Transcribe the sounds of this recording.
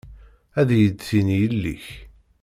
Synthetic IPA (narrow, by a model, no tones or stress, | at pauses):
æðjəd̪θinjəlːḭç